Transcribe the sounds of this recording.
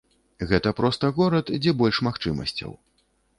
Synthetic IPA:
ɣɛt̪ɐpɾɔst̪ɐɣɔɾɐt̪d͡zʲɛbɔlʲʂmaxt͡ʂɨmɐ̰sʲt͡sʲɐ̰w

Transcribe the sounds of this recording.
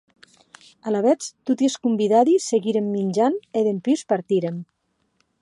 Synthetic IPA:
alaβɛt͡st̪ut̪ieskumbiðaðiseɣiɾemːinʲd͡ʒaneðempiwspaɾt̪iɾem

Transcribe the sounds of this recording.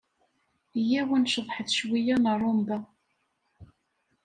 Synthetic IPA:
jæwænʃəðˤħəθʃwijænərˤːombæ

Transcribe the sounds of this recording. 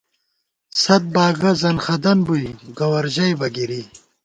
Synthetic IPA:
sɐt̪̚baːɡɐzɐnxɐd̪ɐnbujɡɐwɐɾʑɐjbɐɡiɾi

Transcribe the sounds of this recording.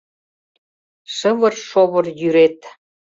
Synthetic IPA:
ʃəβə̆rʃoβə̆rjyɾet̪

